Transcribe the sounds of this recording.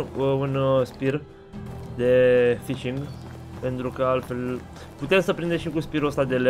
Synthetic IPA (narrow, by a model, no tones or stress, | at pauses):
unspir | d̪e̞fiʃiŋɡ | pe̞nt̪ɾukəalt̪fe̞l | put̪e̞msəpɾind̪eʃikuspiɾuəst̪ad̪ele